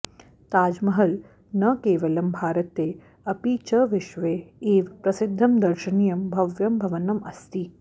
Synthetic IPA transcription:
t̪aːd͡ʒmɐɦɐl | nɐkeːʋɐlɐmbʱaːɾɐt̪eː | ɐpit͡ʃɐʋɪʃʋeːeːʋpɾɐsɪd̪ʱːɐmd̪ɐɾʃɐniːjɐmbʱɐʋjɐmbʱɐʋɐnɐmɐst̪i

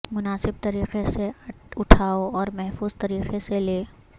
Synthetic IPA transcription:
mʊnaːsɪb̚t̪ɐɾiːqeseʊʈʰaːoɔːɾmɛɦfuːzt̪ɐɾiːqeseleː

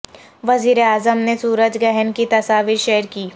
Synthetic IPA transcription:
ʋɐziːɾeaːzəmnesuːɾəd͡ʒɡɛɦənkit̪ɐsaːʋiːɾʃɛɦəɾkiː

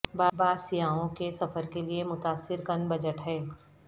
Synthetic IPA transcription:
baːbaːsijaːõkesɐfəɾkeliemʊt̪aːsːɪɾkɐnbɐd͡ʒəʈɦɛː

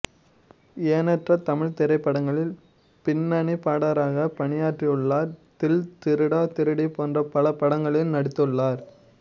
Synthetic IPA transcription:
eːnɐʈrɐt̪ɐmɪɭt̪ɪɾɐɪpːɐɽɐŋɡɐɭɪl | pɪnːɐɳipaːɽaːɾaːɣɐpɐɳɪjaːʈrɪɯɭːaːɾt̪ɪlt̪ɪɾɯɽaːt̪ɪɾɯɽipoːndrɐpɐlɐpːɐɽɐŋɡɐɭɪlnɐɽɪt̪ːɯɭːaːɾ

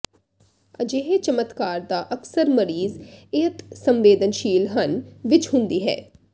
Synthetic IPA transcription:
əd͡ʒeːɦet͡ʃəmət̪kaːɾd̪aːʔəksəɾməɾiːzɪt̪sə̃mʋeːd̪ənʃiːlɦənʋɪt͡ʃhʊ̃nd̪iːɦɛ̰ː

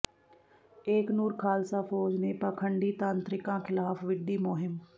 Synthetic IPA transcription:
eːknuːɾkʰaːlsaːpʰoːd͡ʒneːpaːkʰəɳɖiːt̪ãːnt̪ɾɪkãːkʰɪlaːpʋɪɖiːmʊɦɪm

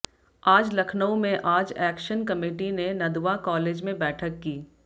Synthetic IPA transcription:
aːd͡ʒlɐkʰnəõmẽʔaːd͡ʒɛːkʃənkɐmeːʈinenɐd̪wakɔːleːd͡ʒmẽbɛːʈʰəkːiː

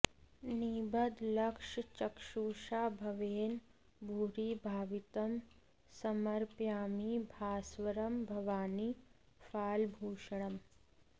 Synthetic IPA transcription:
niːbɐd̪lɐkʂt͡ʃɐkʃuːʃaːbʱɐʋeːn | bʱuːɾiːbʱaːʋit̪ɐm | sɐmɐɾpjaːmibʱaːsʋɐɾɐmbʱɐʋaːni | faːlbʱuːʃɐɳ̃ɐm

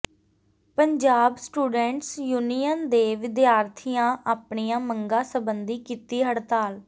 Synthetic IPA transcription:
pəɲd͡ʒaːbsʈuːɖɛ̃ːɳʈsjuːnijənd̪eːʋɪd̪jaːɾt̪ʰijãːʔaːpɳijãːməŋɡãːsəbənd̪iːkiːt̪iːɦəɽt̪aːl

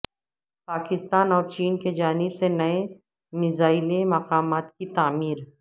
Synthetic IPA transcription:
paːkɪst̪aːnɔːɾt͡ʃiːnked͡ʒaːnɪbsenɐe | mɪzaːɪlemɐqaːmaːt̪kit̪aːmiːɾ

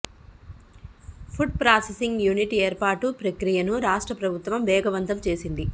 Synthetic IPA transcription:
pʰuɖ̚pɾaːsesiŋɡjuːniʈieːɾpaːʈupɾɐkɾijɐnuɾaːʂʈɾɐpɾɐbʱut̪ʋɐmʋɛːɡɐʋɐnt̪ɐmt͡ʃe̞ːsind̪i

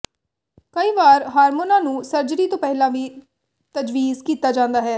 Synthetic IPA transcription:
kəiːʋaːɾɦaːɾmoːnãːnũːsəɾd͡ʒɾiːt̪õːpɛɦɪlãːʋiː | t̪əd͡ʒʋiːzkiːt̪aːd͡ʒãːnd̪aːɦɛː

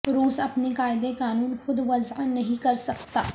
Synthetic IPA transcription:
ɾuːsɐpnekaːɪd̪ekaːnuːnxʊd̪ʋɐznɐɦĩkɐɾsɐkt̪a̰ː

